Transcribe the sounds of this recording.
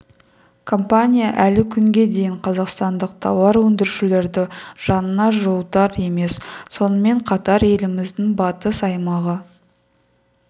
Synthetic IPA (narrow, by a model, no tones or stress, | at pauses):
kʰo̞mpanʲijaʔælɪkʲʰʏŋɡʲe̞d̪e̞jɪɴqʰɑzɑqst̪ɑnd̪əq̚t̪ʰɑwɑɾwɵnd̪ɪɾʃɪle̞ɾd̪ɪʒ̥ɑnənɑʒolˠt̪ɑɾe̞me̞sso̞nəme̞ɴqʰɑt̪ɑɾje̞lɪmɪzd̪ɪŋbɑt̪əsɑjmɑʁə